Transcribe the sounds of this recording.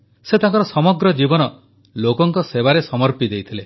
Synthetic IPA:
set̪aŋkɔɾɔsɔmɔɡɾɔd͡ʒibɔnɔ | lokɔŋkɔsebaɾesɔmɔɾpid̪ejt̪ʰile

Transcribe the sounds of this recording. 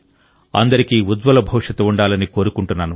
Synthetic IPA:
ɐ̰nd̪ɐɾikiːud̪ʋɐlɐbʱɐʋʂɐt̪ɐuɳɖaːlɐniko̞ːɾukuɳʈunːaːnu

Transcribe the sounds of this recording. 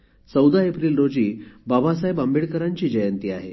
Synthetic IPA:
t͡səwd̪ʱaepɾiːlɾod͡ʑiːbabʱasajbambiɭkəɾaɲt͡ɕiːd͡ʑəjənt̪iːaɦḛ

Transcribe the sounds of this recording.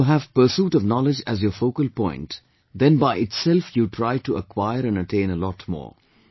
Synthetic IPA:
ɦæv̥pə˞suːʈɔvnɔlɪd͡ʒæzjəːfoːkəlpɔ̃ɪ̃nʈ | d̪ɛ̃nbaɪɪʈsɛlfjuʈʰɾaɪʈuʔəkʰwaɪəɾæ̃nəʈʰẽɪ̃nəlɔtmɔ̰ː

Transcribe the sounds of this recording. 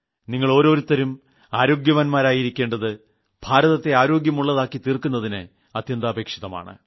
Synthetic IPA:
niŋːɐɭo̞ːɾo̞ːɾut̪ːɐɾum | aːɾo̞ːɡjɐʋɐnmaːɾaːjiɾikʲːe̞ːɳɖɐðɨ | b̥ʱaːɾɐðɐt̪ːe̞aːɾo̞ːɡjɐmuɭːɐðaːkːit̪iːrkunːɐðinɨ | ɐt̪jɐnd̪aːbʱeːkʂiðɐma̰ːɳɨ̰

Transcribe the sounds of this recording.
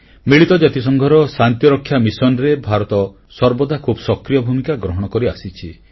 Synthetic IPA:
miɭit̪ɔd͡ʒat̪is̬ɔŋɡʱɔɾɔsant̪jɔɾɔkʰːjamisɔnɾebʱaɾɔt̪ɔ | sɔɾbɔd̪ʱakʰubɔsɔkɾijɔbʱumikaɡɾɔɦɔɽ̃ɔkɔɾiasit͡ʃʰi

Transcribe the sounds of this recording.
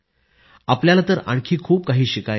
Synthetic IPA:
apljalat̪əɾa̰ɳkʰiːkʰuːp̚kaɦiːɕikaj

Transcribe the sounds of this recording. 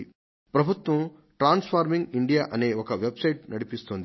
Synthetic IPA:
pɾɐbʱut̪ʋɐm | ʈɾaːnspʰaːɾmiŋɡiɳɖijaːʔɐne̞ːɔkɐʋebsɐjʈ̚nɐɽipist̪oːnd̪i

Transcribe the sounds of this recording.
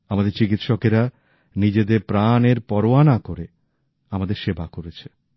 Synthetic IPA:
amad̪eɾt͡ɕikit̪ʃɔkeɾa | nid͡ʑed̪eɾpɾaneɾpɔɾoanakoɾe | amad̪eɾʃebakoɾet͡ɕʰe̥

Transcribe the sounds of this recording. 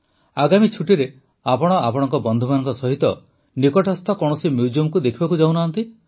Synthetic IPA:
aɡamit͡ʃʰuʈiɾe | apɔɽ̃ɔapɔɽ̃ɔŋkɔbɔnd̪ʱumanɔ̃ŋkɔsɔɦit̪ɔ | nikɔʈɔst̪ʰɔkɔɽ̃ɔsimjud͡ʒiumkud̪ekʰibakud͡ʒawnant̪i

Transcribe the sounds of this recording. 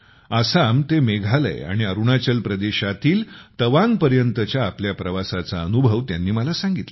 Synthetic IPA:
asamt̪emeɡʱalə̰j̰a̰ɽ̃iəɾuɳat͡ɕəlpɾəd̪eɕat̪iːlt̪əʋãŋɡpəɾjənt̪ət͡ɕjaːpljapɾəʋasat͡saənubʱəʋt̪janːiːməlasãŋɡit̪lə

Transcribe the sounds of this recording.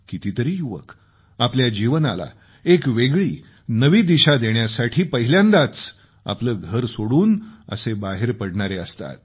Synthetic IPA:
kit̪it̪əɾiːjuʋə̰k | apljad͡ʑiʋənala̰ | ekʋeɡɭiː | nəʋiːd̪iɕad̪eɳjasaʈʰiːpəɦiljãnd̪at͡s | a̰pləːɡʱəɾsoɽuːnə̰sebaɦeɾpəɽɳaɾeəst̪a̰t̪̚

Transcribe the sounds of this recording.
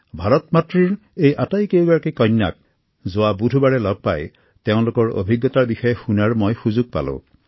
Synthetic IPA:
bʱaɹɔt̪matɹiɹ | ejʔatajkewɡaɹakikɔɲːa̰k̚ | zʊabudʱubaɹɛlɔb̚pa̰j | teʊ̃lokɔɹo̰bʱiɡːɔt̪aɹbixɔjɛxunaɹmojxuzuɡ̚pa̰lʊ̰̃

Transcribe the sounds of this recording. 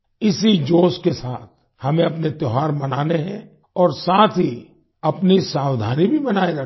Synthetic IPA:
ɪsid͡ʒoːskesaːt̪̚ʰ | hɐmẽɐpnet̪jɔɦaːɾmɐnaːneɦɛ̰̃ | ɔːɾsaːt̪ʰɦi | ɐpnisaːwd̪ʱa̰ːnibʱibɐnaːeɾɐ

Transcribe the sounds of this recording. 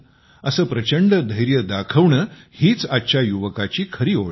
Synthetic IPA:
əsəːpɾət͡ɕəɳɖəd̪ʱəjɾjəd̪akʰəʋɳəːhiːt͡satːɕajuʋəkat͡ɕiːkʰəɾiːoɭ

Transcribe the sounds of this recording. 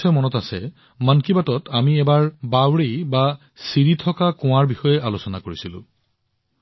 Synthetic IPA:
ɔjmɔnɔtasɛ̰ | mankibatɔtʰamiɛbaɹbawɹejba | siɹitʰɔkakʊ̃w̃aɹbixɔjɛʔalosɔnakoɹisilʊ̰̃

